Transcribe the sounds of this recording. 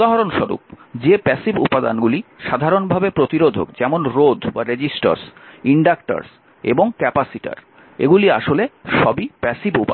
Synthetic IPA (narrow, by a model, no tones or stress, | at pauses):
aɦaɾonʃɔɾṵp̚d͡ʑepɛsibṵpːad̪a̰nɡuliʃad̪ʱaɾonbʱabepɾot̪iɾod̪ʱo̰kd͡ʑɛmonɾod̪ʱbaɾed͡ʑisʈa̰ɾsiɳɖakʈa̰ɾs | ḛboŋkɛpasiʈa̰ɾ | ḛɡuliaʃoleʃɔbipɛsibupa